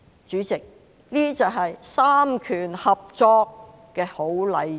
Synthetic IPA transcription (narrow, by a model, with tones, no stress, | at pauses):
t͡ʃyː˨˥t͡sɪ˨k̚ | liː˥t͡sɐ˨ɦɐ˨jsaː˥mkʰyː˨˩nhɐ˨p̚t͡sɔː˧kː | ɛː˧ho˨˥wlɐ˨˧j